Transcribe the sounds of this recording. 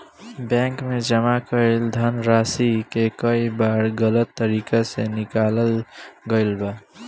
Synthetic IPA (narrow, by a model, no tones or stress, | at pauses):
bɛ̃ːŋkmẽd͡ʒəmakəeld̪ʱənɾaːsikekəibaːɾɡələt̪ːəɾiːkasenɪkaːləlɡəɪlba